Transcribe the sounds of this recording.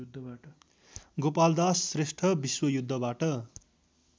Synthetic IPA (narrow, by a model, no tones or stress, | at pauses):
d̪ | ɡopald̪asːresʈʰʌbiswʌjud̪ʱːʌbaʈʌ